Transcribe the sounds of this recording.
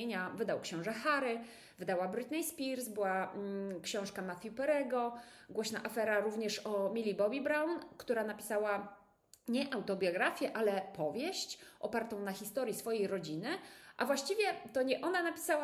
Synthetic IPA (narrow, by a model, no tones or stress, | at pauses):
eɲavɘd̪awkɕɔ̃w̃ʐɛxaɾɘ | vɘd̪awabɾɘt̪nʲɛjspʲiɾsbɘwakɕɔ̃w̃ʂkamaθʲjupɛɾɛɡɔ | ɡwɔɕnaʔafɛɾaɾuvɲɛʂɔmʲilʲibɔbʲibɾawnkt̪uɾanapʲi̥sawa | ɲɛʔawt̪ɔbʲjɔɡɾafʲjɛʔalɛpɔvʲjeɕt͡ɕʔɔpaɾt̪ɔ̃w̃naxʲist̪ɔɾjisfɔjejɾɔd͡ʑinɘʔavwaɕt͡ɕivʲjɛt̪ɔɲɛʔɔnanapʲi̥sawa